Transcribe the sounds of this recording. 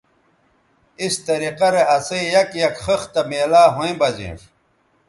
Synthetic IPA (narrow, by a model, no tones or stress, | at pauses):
ist̪ɐɾiqɐɾeɐsɐijɐkjɐkχəxt̪ɐmeːlaːɦoĩbɐzḭːʂ